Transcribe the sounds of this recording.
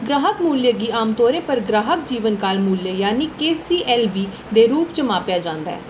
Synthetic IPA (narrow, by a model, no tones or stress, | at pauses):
ɡɾaːɦəkmuːljəɡiːaːmt̪oːɾẽːpəɾɡɾaːɦək̚d͡ʒiːʋənkaːlmuːljəjaːniːkeːsiːʔɛːlbiː | d̪eːɾuːpt͡ʃəmaːpjaːd͡ʒãːnd̪a̰ːɛ̰ː